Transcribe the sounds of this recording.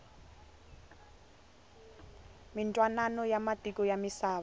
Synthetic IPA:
mintʼwananɔjamatʼikʼɔjamisaːβa

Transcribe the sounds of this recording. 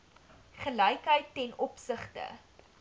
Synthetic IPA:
χəlɐjkɦəjtːɛnɔpsəχtə̰

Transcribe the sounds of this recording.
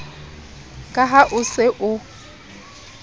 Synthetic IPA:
kʼaɦaʔʊsɪʔʊ

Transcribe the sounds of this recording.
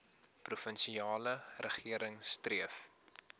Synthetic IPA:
prufənʃiɑːlərəχiəɾəŋstriəf

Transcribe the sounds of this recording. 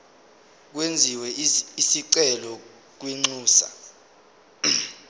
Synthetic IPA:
k̬wend͡zʱiwɛisiǀɛlɔ | k̬wiŋ͡ǀuːsa̰

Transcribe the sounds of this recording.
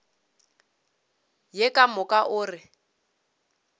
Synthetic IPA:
jɛkʼamʊkʼaʔʊːrɪ

